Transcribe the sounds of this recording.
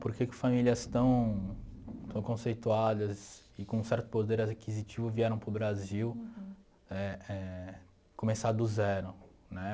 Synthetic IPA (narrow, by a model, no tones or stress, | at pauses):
poɾkekɪ̥familiɐst̪ɐ̃w̃ | t̪ɐ̃w̃kõsejt̪uad̪ɐz | ɪkõũsɛɾt̪ʊ̥pod̪eɾakizit͡ʃivʊviɛɾɐ̃w̃pɾʊbɾaziw | ɛɛ | kõmesad̪ʊzɛɾʊ̃nɛ